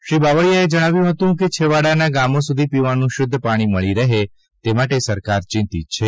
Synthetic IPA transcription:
ʃɾibaʋəɭjaed͡ʒəɽ̃aʋjũɦət̪ũk̬et͡ʃʰeʋaɽanaɡamosud̪ʱipiʋanũʃʊd̪ʱːəpaɽ̃iməɭiɾəɦe | t̪emaʈesəɾkaɾt͡ʃɪ̃nt̪ḭt̪̚t͡ʃʰe

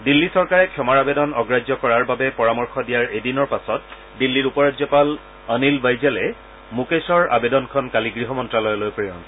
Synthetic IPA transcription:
dilːisɔɹkaɹɛkʰjɔmaɹabedɔnɔɡɹad͡ʒɔkɔɹaɹbabɛpɔɹamɔɹxɔdijaɹedinɔɹpasɔt̚ | dilːiɹupɔɹadzɔpal | ənilbajzɛlɛ | mukesɔɹa̰bedɔnkʰɔnkaliɡɹiɦɔmɔntɹalɔjɔlojpɹɔjɔn

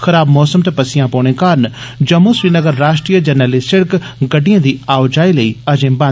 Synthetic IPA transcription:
xɐɾaːbmɔːsəmt̪epɐsɪjãːpoːɽ̃ẽːkaːɾənd͡ʒɐmːusʋiːnəɡəɾːaːʃʈɾiːjəd͡ʒənəlisɪɽkɡɐɖijãːd̪iːaːʊd͡ʒaːiləiːɐd͡ʒẽːbãː

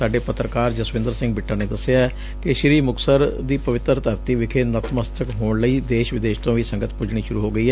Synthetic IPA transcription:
saːɖeːpət̪ɾəkaːɾd͡ʒəsʋɪ̃nd̪əɾsɪ̃ŋɡ̚bɪʈːaːneːd̪əseaɛ | kɪʃɾiːmʊksəɾd̪iːpəʋɪt̪ɾt̪əɾt̪iːʋɪkʰeːnət̪məst̪əkɦoːɳləiːd̪eːʃʋɪd̪eːʃt̪õːʋiːsəŋɡət̪pʊd͡ʒɽ̃iːʃʊɾuːɦoːɡəiːɦɛː

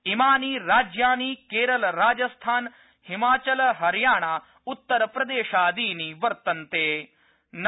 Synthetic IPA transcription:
ɪmaːniːɾaːd͡ʒjaːniːkeːɾəlɾaːd͡ʒɐst̪ʰaːn | hɪmaːt͡ʃəlɦɐɾjaːɽ̃aː | ʊt̪ːəɾpɾɐd̪eːʃaːd̪iːniːʋɐɾt̪ɐnt̪eː | n

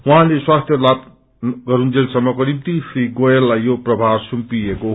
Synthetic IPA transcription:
wũɦãleswast̪ʰjʌlab | ɡʌɾund͡zelsʌmːʌkonimt̪isʰɾiɡojelːajːoprʌbʱaɾsumpijeko

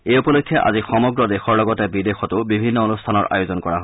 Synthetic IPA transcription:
ejupɔlokʰːjɔʔa̰zixɔmɔɡɹɔdexɔɹlɔɡɔtɛbidexɔtʊbibʱinːɔonustʰanɔɹʔa̰jʊzɔnkɔɹa̰ɦo

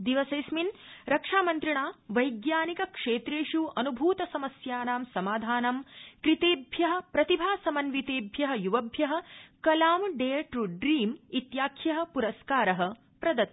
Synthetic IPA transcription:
d̪iʋɐsɐjsminɾɐkʂaːmɐnt̪ɾiɳaːʋɐjɡjaːnikɐkʂeːt̪ɾeːʂuʔɐnubʱuːt̪ɐsɐmɐsjaːnaːmsɐmaːd̪ʱaːnɐmkɾit̪eːbʱjɐɦɐ̆pɾɐt̪ibʱaːsɐmɐnʋit̪eːbʱjɐɦɐ̆juʋɐbʱjɐɦɐ̆kɐlaːmɖeːʈɾuɖɾiːmit̪jaːkʰjɐɦɐ̆puɾɐskaːɾɐɦɐ̆ | pɾɐd̪ɐt̪

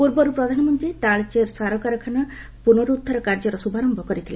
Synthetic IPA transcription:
puɾbɔɾupɾɔd̪ʱanɔmɔnt̪ɾit̪aɭt͡ʃeɾsaɾɔkaɾɔkʰana | punoɾud̪ʱːaɾɔkaɾd͡ʒɔɾɔsubaɾɔmbʱɔkɔɾit̪ʰilḛ

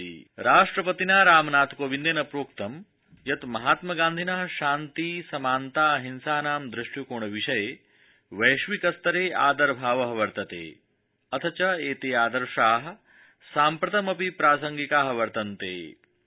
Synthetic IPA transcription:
iɾaːʂʈɾɐpɐt̪inaːɾaːmnaːt̪ʰkoːʋind̪eːnɐpɾoːkt̪ɐm | jɐt̪mɐɦaːt̪mɐɡãːnd̪ʱinɐɦʃaːnt̪iːsɐmaːnt̪aːɦinsaːnaːmd̪ɾiʂʈjukoːɳ̃ɐʋiʂɐje | ʋɐjʃʋikɐst̪ɐɾeːʔaːd̪ɐɾbʱaːʋɐɦɐʋɐɾt̪ɐt̪ḛː | ɐt̪ʰɐt͡ʃɐeːt̪eːaːd̪ɐɾʂaːɦɐ | saːmpɾɐt̪ɐmɐpipɾaːsɐŋɡikaːɦɐʋɐɾt̪ɐnt̪ḛː

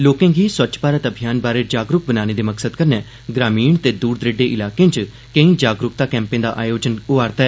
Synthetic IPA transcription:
loːkẽːɡiːswət͡ʃpaːɾət̪əbʱijaːnbaːɾeːd͡ʒaːɡɾʊk̚bənaːñeːd̪eːməksəd̪kəɾnɛː | ɡɾaːmiːɳt̪eːd̪uːɾd̪ɾeɖeːʔɪlaːkẽːt͡ʃ | kə̃ĩːd͡ʒaːɡɾʊk̚t̪aːkɛ̃ːmpẽːd̪a̰ːʔaːjoːd͡ʒənʊaːɾt̪aɛ

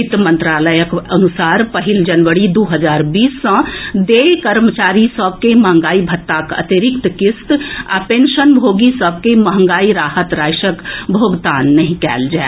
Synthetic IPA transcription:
it̪əmə̃nt̪ɾaːləjəkənusaːɾpəɦild͡ʒənʋəɽid̪uɦəd͡ʒaːɾbiːsːə̃d̪ekəɾmət͡ʃaːɾisəb̚ʱkemɐɦə̃ŋɡaːibʱət̪ːakə̰t̪iɾɪkt̪kɪst̪a̰pẽnʃənbʱoːɡisəb̚ʱkemɐɦə̃ŋɡaːiɾaːɦət̪ɾaːʃəkbʱoːɡt̪aːnːəɦĩkɛ̰ːld͡ʒae

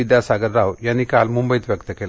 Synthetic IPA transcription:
id̪jasaɡəɾːawjanːikalmumbəjt̪ʋjəkt̪əkela

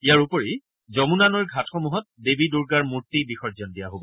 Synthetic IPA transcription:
ijaɹupɔɹi | zɔmunanɔɹɡʱatxɔmuɦɔt̚debiduɹɡaɹmuɹtːibixɔɹzɔndijaɦobɔ

